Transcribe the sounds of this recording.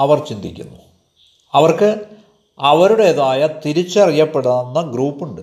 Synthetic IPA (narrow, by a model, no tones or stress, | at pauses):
ɐʋɐrt͡ɕind̪ikʲːṵnːu | ɐʋɐrkɨ | ɐʋɐɾuɽeːðaːjɐt̪iɾit͡ɕːɐrijːɐpːeɽanːɐɡruːpːuɳɖɨ